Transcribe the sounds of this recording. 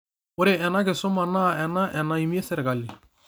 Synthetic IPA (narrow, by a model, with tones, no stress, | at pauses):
ʊ˦ɾe˨ɛ˨na˦ɡɪ˨sʊ˦ma˨na˦˨ɛ˨na˦ʔɛ˨na˨i˨mi˦e˦sɛ˨ɾɡa˨lɪ˨